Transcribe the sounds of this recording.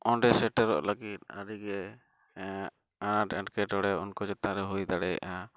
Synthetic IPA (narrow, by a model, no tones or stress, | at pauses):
ɔɖɛsɛʈəɾɔ̰ʔlaɡit̪̚a̰ɾiɡɛ | anaʈɛʈkɛʈɔɽɛunkɔd͡ʒɛt̪ãɾɛɦujd̪aɽɛja̰ʔa